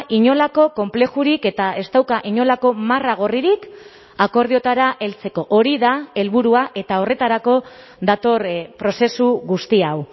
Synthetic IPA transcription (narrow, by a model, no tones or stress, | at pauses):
ʔiɲo̞lako̞ko̞mple̞ʝuɾike̞t̪ae̞st̪awkaʔiɲo̞lako̞maraɣ̞o̞riɾik | ako̞ɾð̞io̞t̪aɾaʔe̞lt͡se̞ko̞ʔoɾiðae̞lβuɾuaʔe̞t̪ao̞re̞t̪aɾako̞ | ðat̪o̞ɾpɾo̞se̞suɣust̪iaw